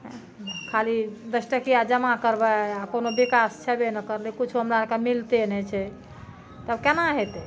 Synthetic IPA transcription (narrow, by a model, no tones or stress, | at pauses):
kʰalid̪əsʈəkijad͡ʒəmakəɾbɛakonobikast͡ʃʰɛbenəkəɾlekut͡ʃʰuɦəmɾaɾkemilt̪enɛt͡ʃʰɛ | t̪əbkenaɦet̪